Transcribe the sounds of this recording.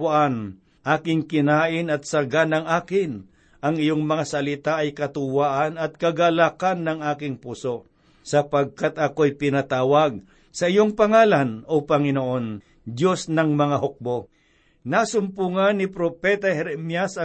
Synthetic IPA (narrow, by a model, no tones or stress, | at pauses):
aʔan | ʔaːkɪŋkɪnaːʔɪnɐt̪̚sɐɡanɐŋʔaːkɪn | ʔɐŋɪjoŋmɐŋasɐlɪt̪aʔɐjkɐt̪ʊwaːʔɐnɐt̪̚kɐɡalakanːɐŋʔaːkɪŋpuːso | sɐpɐɡ̚kat̪ɐkoɐjpɪnɐt̪aːwɐɡ̚ | sɐʔɪjoŋpɐŋaːlanopɐŋɪnoʔo̞n | d̪jo̞snɐŋmɐŋaɦok̚bo̞ | nasʊmpuŋanːɪpɾopɛt̪ɐhɛɾɛmjasɐ